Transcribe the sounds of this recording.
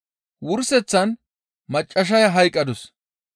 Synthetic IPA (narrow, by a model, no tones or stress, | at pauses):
wʊɾsɛt͡sːɐn | mɐt͡ʃʼːɐʃ̬ɐjɐɦɐjkʼːɐd̪ɔs